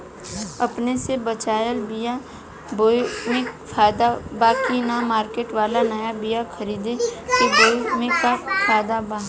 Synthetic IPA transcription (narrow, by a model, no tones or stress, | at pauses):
ɐpnesebət͡ʃaːjəlbija | bomẽfʰaːjd̪abaːkinamaːɾkeːʈʋaːlanɐjabijakʰɐɾiːd̪ekiboːimẽkafʰaːɪd̪abaː